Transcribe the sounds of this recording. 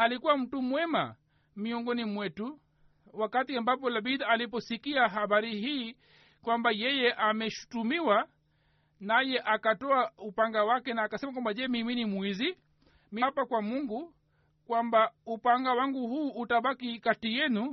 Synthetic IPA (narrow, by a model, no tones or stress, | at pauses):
alikuwam̩tumwɛma | miɔŋɡɔnimwɛtu | wakatiambapɔlaɓiðaalip̬ɔsikiaɦaɓaɾihiː | kwambajɛjɛʔamɛʃu̥tumiwa | najɛʔakatɔaupaŋɡawakɛnaːkasɛmakwambaʄɛmiminimwizi | mipakwamuŋɡu | kwambaupaŋɡawaŋɡuhuːʔːtaɓakikatijɛnu